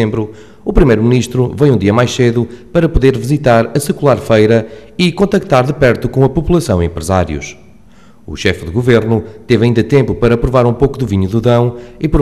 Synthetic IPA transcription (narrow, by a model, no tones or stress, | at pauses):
ẽmbɾu | upɾimejɾuminiʃt̪ɾuvejũd̪iɐmajʃseðupɐɾɐpuðeɾvizit̪aɾɐsɨkulˠaɾfɐjɾɐikõnt̪ɐk̚t̪aɾðɨpɛɾt̪ukõɐpupulˠɐsɐ̃w̃ĩḛ̃mpɾɨzaɾjṵʃ | ṵʃɛfðɨɣuveɾnut̪evɐĩnd̪ɐt̪ẽmpupɐɾɐpɾuvaɾũpokuðuviɲuðɨðɐ̃w̃ipɾ